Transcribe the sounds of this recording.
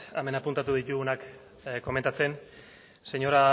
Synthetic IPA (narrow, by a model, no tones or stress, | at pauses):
a̰me̞napunt̪at̪̬uð̞it̪uɣunak | ko̞ment̪at͡se̞n | se̞ɲo̞ɾa